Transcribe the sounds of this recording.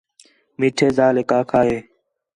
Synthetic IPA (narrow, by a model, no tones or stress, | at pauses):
miːʈʰeːzaːleːkaːkʰaːɦeː